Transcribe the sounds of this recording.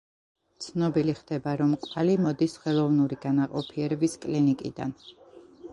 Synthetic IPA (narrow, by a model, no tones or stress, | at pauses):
t̪sʰnɔbiliχd̪̥ɛbaɾɔmkʼvalimɔd̪isχɛlˠɔvnuɾiɡanaqʼɔpʰiɛɾɛbiskʼlinikʼḭd̪a̰n